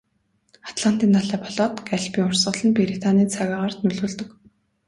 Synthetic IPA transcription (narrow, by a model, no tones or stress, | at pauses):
ḁt̪ɮan̥t̪iːnːaɮæːpʰɔɮɔt̪ɡæɮpiːʊrsɢə̆ɮə̆npeɾit̪ʰaniːt͡sʰæɣʲaːʁaːrt̪nɵɮuːɮt̪ɵ̆k